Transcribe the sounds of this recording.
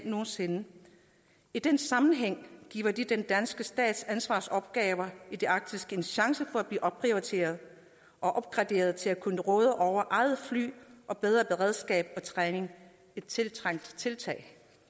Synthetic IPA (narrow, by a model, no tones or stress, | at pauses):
no̝ːn̩se̝nə | id̥ensɑ̈mn̩ɦeŋ̰ɡ̥ḭːʊɐd̥id̥end̥ænsɡ̥əsd̥ɛ̰ːd̥sænsʋɑ̰̈ːsɒ̽b̥̚ɡ̥ɛːʊɐid̥e̝ʔɑ̈ɡ̥̚d̥isɡ̥e̝nɕɑ̈ŋsəfɒ̽æb̥lḭːʔɒ̽b̥̚pʰʁioit͡sʰe̝̰ːɐð̞ˠ | ʔɒ̽ʔɒ̽b̥̚ɡ̥ʁɑ̈d̥e̝̰ːɐð̞̩ˠt͡sʰe̝lækʰunəʁɔ̽ːð̞ˠəʔɒʊ̰ɐʔɑ̈ɪð̩ˠfly̰ːʔɒ̽b̥eð̞ˠʁɐb̥e̝ʁɛð̞ˠsɡ̥ɛ̰ːb̥̚ɒ̽t͡sʰʁɛːne̝ŋ | e̝d̥̚t͡sʰe̝lt͡sʰʁaŋ̰d̥t͡sʰe̝lt͡sʰɛ̰ːɪ